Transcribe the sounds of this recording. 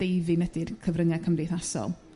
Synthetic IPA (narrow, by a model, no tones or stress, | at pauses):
d̥ejvinədirkʰəvrəŋɛkʰəmriθasɔ̰lˠ